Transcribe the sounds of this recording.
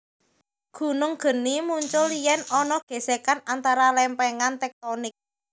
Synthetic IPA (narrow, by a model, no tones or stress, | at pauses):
ɡ̥ṳnʊŋɡ̥ə̤nimuɲt͡ʃʊlijɛnɔnɔɡ̥e̤sekanant̪aɾalɛmpɛŋant̪ɛk̚t̪ɔnɪk̚